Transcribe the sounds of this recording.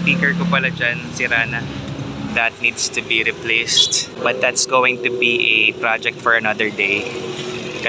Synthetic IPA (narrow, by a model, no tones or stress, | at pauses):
piːkɛɹkopɐlad͡ʒansɪɾaːnɐd̪ɐt̪̚nid̪st̪ubiɾɪplejst̪̚bɐt̪̚d̪at̪sɡowɪ̃ŋt̪ʊbiʔɛpɹad͡ʒɛk̚t̪fɔɹɐnɐd̪əɹd̪ej | kɐ